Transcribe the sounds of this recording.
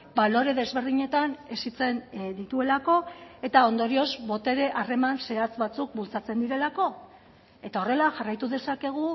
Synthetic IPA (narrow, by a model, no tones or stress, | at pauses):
balo̞ɾe̞ðe̞zβe̞ɾð̞iɲe̞t̪ane̞sit͡se̞nd̪it̪ue̞lako̞e̞t̪ao̞nd̪o̞ɾiozbo̞t̪e̞ɾe̞ʔare̞manse̞at͡sβat͡suk̚bult͡sat͡se̞nd̪iɾe̞lako̞ | e̞t̪ao̞re̞laʝarajt̪uðe̞sake̞ɣ̞u